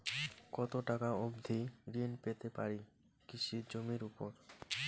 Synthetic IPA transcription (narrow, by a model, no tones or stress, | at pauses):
kɔt̪oʈakaobd̪ʱiɾinpet̪epaɾi | kiʃiɾd͡ʑomiɾupoɾ